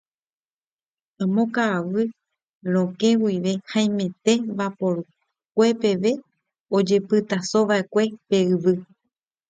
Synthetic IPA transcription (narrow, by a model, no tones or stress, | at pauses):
ãmõkaːʋɨ | ɾ̃õ̞kẽ̞wiʋe̞haj̃mẽ̞t̪e̞βapo̞ɾu | k̚ʷe̞pe̞ʋe̞ | od͡ʒe̞pɨt̪asõʋaʔe̞kʷe̞pe̞ɨʋɨ